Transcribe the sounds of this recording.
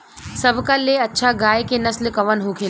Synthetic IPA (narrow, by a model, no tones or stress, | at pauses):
sɐbʱkaleɐtːʃʰaɡaːjkenɐslkɐʋənɦuːkʰe